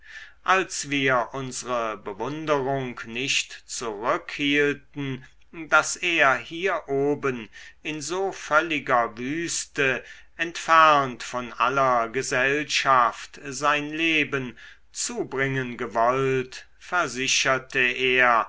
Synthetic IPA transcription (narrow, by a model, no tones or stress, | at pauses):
ʔalsv̥iːɐʔʊnzəʁəbəvʊndəʁʊŋknɪʃtt͡suʁʏkhiːltn̩ | daseːɐhiːɐʔoːbənɪnzoːfœlɪɡɐvyːstə | ʔɛntfɛɐntfɔnʔa̰lɐɡəzɛlʃaftzaɪnleːbən | t͡suːbʁɪŋənɡəvɔlt | fɛɐzɪɕɐtəeːɐ